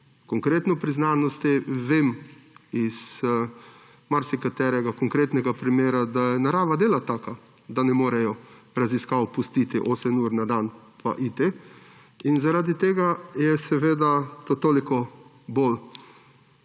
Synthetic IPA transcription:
kɔŋkɾeːt̪nɔpɾiznanɔst̪ɛʋemiz | maɾsikat̪ɛɾɛɡakɔŋkɾeːt̪nɛɡapɾimeːɾad̪ajɛnaɾaːʋad̪eːlat̪aːka | d̪anɛmoːɾɛjɔ | ɾaziskawpust̪iːt̪iʔoːsɛnuːɾnad̪anpʰa̰ʔit̪e | inzaɾaːd̪it̪eːɡajɛsɛʋeːd̪at̪ot̪oːlikɔ | bol

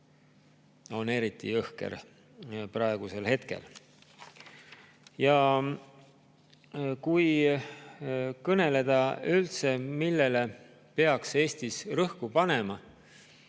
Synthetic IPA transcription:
o̞ne̞ɾit̪ːˑḭɤhke̞̰ɾ | prɑe̞ɡ̥use̞lhe̞t̪ke̞̰l | jɑ | kuj | kɤne̞le̞d̪̥ɑylt̪se̞milːe̞le̞ | pe̞ɑkse̞ːsʲt̪isrɤhkupɑne̞mɑ

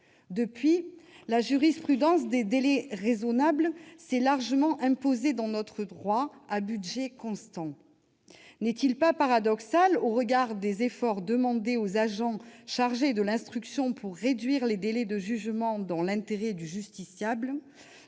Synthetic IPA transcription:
d̪əpɥilaʒyʁispχyd̪ɑ̃sd̪ed̪elɛʁezɔnablsɛlaʁʒəmɑ̃ʔɛ̃pozed̪ɑ̃nɔt̪χəd̪ʁwaabyd̪ʒɛkɔ̃st̪ɑ̃ | nɛt̪ilpapaʁad̪ɔksaloʁəɡaʁd̪ezefɔʁd̪əmɑ̃d̪eozaʒɑ̃ʃaʁʒed̪əlɛ̃st̪χyksjɔ̃pʰuʁːed̪ɥiʁled̪elɛd̪əʒyʒmɑ̃d̪ɑ̃lɛ̃t̪eʁɛd̪yʒyst̪isjabl

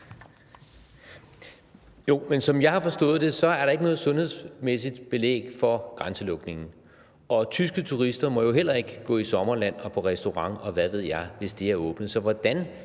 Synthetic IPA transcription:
jo̝mensɒ̽mjɑ̈ɪhɑ̈fɒ̽sd̥ɔ̰̽ːðˠd̥e̝sɒ̽æɐɾɑ̈e̝ɡ̥nɔ̽ːð̩ˠsɔ̽nhe̝ð̰ˠsmesid̥b̥e̝lḛːɡ̥fɒ̽ɡ̥ʁɑnsəlɔ̽ɡ̥ne̝ŋn̩ | ʔɒ̽t͡sʰysɡ̥ət͡sʰuʁisd̥ɐmɒ̽jo̝ɦel̰ɐe̝ɡ̥əɡ̥ɔ̰ːisɒ̽mɐlæn̰ɒ̽pʰɒ̽ʁɛsd̥o̝ʁɑ̈ŋɒ̽ʋæðˠʋe̝ð̞̰ˠjɑ̈ɪʋe̝sd̥eæɐɔ̰̽ːb̥nəsɒ̽ʋɒd̥æn

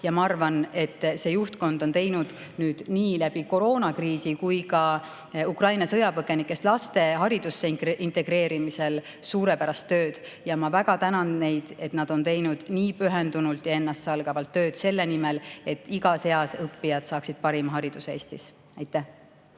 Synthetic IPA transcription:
jɑmɑɑrvɑne̞t̪ːse̞ːjuht̪ko̞nd̪o̞nt̪e̞jnud̪̥ | nyːd̪̥niːlæb̥iko̞ɾo̞ːnɑkriːsikujkɑ | ukrɑjnɑsɤjɑpɤɡe̞nikːˑe̞st̪lɑst̪e̞ɦɑɾid̪̥usːekʔint̪ˑe̞ɡ̥ɾe̞ːɾimise̞l | suːɾe̞pæɾɑst̪ːø̞ːd̪̥ | jɑmɑvæɡ̥ɑt̪ænɑnne̞jd̪̥e̞t̪nɑd̪̥o̞nt̪e̞jnud̪̥niːpyɦend̪unult̪ˑjɑe̞nːɑst̪ːsɑlɡ̥ɑvɑlt̪ːø̞ːd̪̥se̞lːe̞nimele̞t̪ːˑiɡɑse̞ɑsɤpːijɑd̪̥sɑːksid̪̥̚pɑɾimɑɦɑɾid̪̥useeːst̪is | ɑjt̪ːˑæh

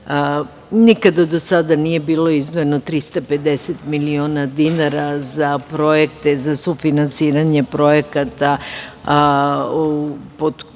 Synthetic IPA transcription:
nikad̪ad̪osad̪anije̞biːlo̞izd̪ʋojenot̪ɾist̪ape̞d̪e̞set̪milioːnad̪inaɾazapɾo̞jekt̪ezasufinansiːɾaɲe̞pɾo̞jekat̪a | upod̪

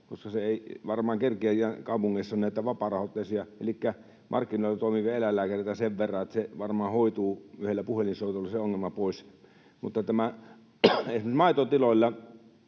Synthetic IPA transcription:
ko̰skɑseeˑiʋɑrmɑːŋkerkiæjækɑˑupuŋːeˑisːɑonæˑit̪æʋɑpɑrɑhot̪ːˑeˑsiɑḛlikːæ | mʔɑ̰rkːinoˑilːɑt̪oˑimiʋielælːæːˑkæriet̪æseʋʋerːɑet̪seʋɑrmɑːhoˑit̪uːyhelːæpuhelinsoˑit̪olːɑseoŋːelmɑpoˑis | mut̪ːɑt̪æmæ | esmesmɑˑit̪ot̪ilolʲːɑ

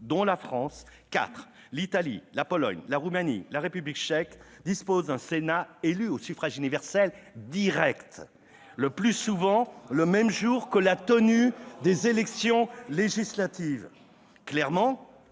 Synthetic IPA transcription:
d̪ɔ̃lafχɑ̃s | ka̰t̪χ | lit̪alḭlapɔlɔ̰ɲlaʁumanḭlaʁepyblikt͡ʃɛk | d̪ispozd̪ɛ̃senaelyosyfχaʒynivɛʁsɛl | d̪iʁɛkt̪ | ləplysuvɑ̃ləmɛmʒuʁkəlat̪ənyd̪ezelɛksjɔ̃leʒislat̪iv | klɛʁmɑ̃

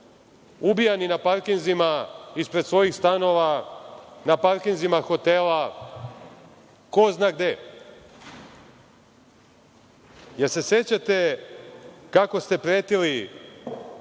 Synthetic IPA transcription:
ubijaninapaɾkinzimaispɾet̪sʋo̞jixst̪ano̞ʋa | napaɾkinzimaxo̞t̪ela | koznaːɡ̚d̪e | jeɾse̞se̞t͡ɕat̪e̞ | kako̞st̪e̞pɾeːt̪ili

